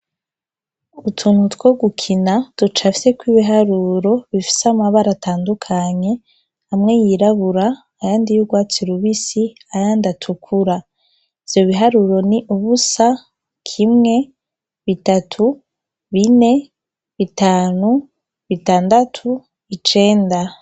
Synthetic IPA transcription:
utʰuːnhutwo̞ɡukʰinad̥ut͡ʃafi̥se̞kwiːβiɦaɾuɾo̞βifi̥samaβaɾataːndukʰaɲe̞ | amŋe̞jiɾaβuɾaː | jaːndijuɡwaːt͡siɾuβisi | ajaːndatʰukʰuɾa | ivjo̞βiɦaɾuɾo̞niʔuβusa | kʰimŋe̞ | βitatʰu | βine̞ | βitaːnu | βitaːndatʰu | βit͡ʃe̞ːnda

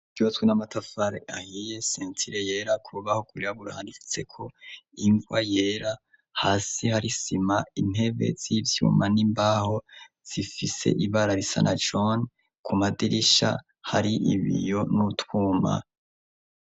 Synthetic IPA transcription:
ɡuatwenamatʰafaɾeʔahije̞seːntiɾeje̞ːɾakʰuβahokuɾiɾaβuɾa̰ːndifi̥se̞̰kʰo̞iŋɡwajeːɾa | haːsihaɾisimain̥he̞βe̞̰z̥ivjṵːmanimbaːho | z̥ifise̞̰ʔiβaɾaɾisa̰nad͡ʒon | kʰumadiɾiʃa̰ | haɾiʔḭβḭjo̞nutwuːma̰

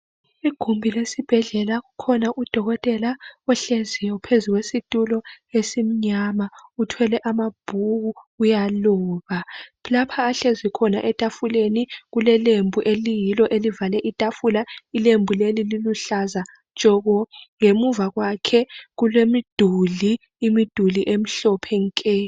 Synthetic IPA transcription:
iɡ̥ʱumbʱilesib̥ʱɛɮɛlaɣukʰɔnaʔud̥ʱɔɣɔtʼɛlaɔɬezijɔpʰezuɣwesitʼulɔ | esim̩ɲamautʰwɛlɛʔamab̥ʱuɣuujaluːβalapʰaːɬezikʰɔnaʔɛtʼafuleniɣulɛlembʱuʔelijilɔʔelivalɛʔitʼafulailembʱulelililuɬazḁ | t͡ʃʼɔɣɔŋemuvaɣwakʰɛɣulwemid̥ʱuliː | mid̥ʱuliʔem̩ɬɔpʰɛŋkʼɛ

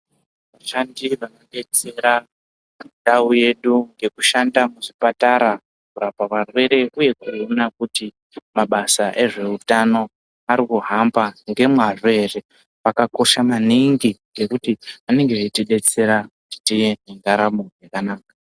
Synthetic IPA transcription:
ʋaʃandiʋanoɗe̞t͡se̞ɾa | ɗauje̞ɗuŋɡe̞kuʃandamuʐipataɾa | kurapaʋarwe̞ɾe̞ʔuje̞kuionakuti | maɓasaʔe̞ʐe̞utano̞ | aɾikuɦambaŋɡe̞mwaʐoere̞ | ʋakako̞ʃamaniŋɡiɡe̞kutiʋane̞ŋɡeʋetiɗe̞t͡se̞ɾakuti̥tijeneŋɡaɾamojakanaːka

